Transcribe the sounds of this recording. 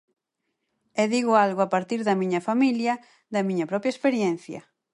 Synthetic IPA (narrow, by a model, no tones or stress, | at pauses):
ɛðiɣʊalɣʊapaɾt̪iɾðɐmĩɲɐfamiljɐ | ðɐmĩɲɐpɾɔpɾjɐespeɾjenθjɐ̰